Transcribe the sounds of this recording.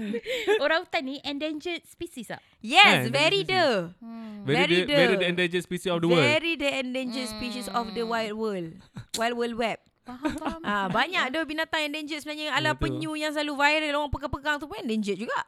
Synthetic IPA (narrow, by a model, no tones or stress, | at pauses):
oɾaŋut̪annĩʔɛndeɲd͡ʒət̪̚spisisa̰ | jɛsvɛɾidə | vɛiɾidəɛɾidəɛndeɲd͡ʒət̚spisisɔfdəvəɛɾidəɛndeɲd͡ʒət̪̚spiʃisɔfdəwajlwəlwajl̚wəlwɛp̚ | ʔabaɲakdəbinat̪aŋɛ̃ndeɲd͡ʒət̪̚səbənaɲəalapəɲũjaŋsəlaluvajɾəloaŋpəkapəkaŋt̪upunɛndeɲd͡ʒət̚d͡ʒuɡaʔ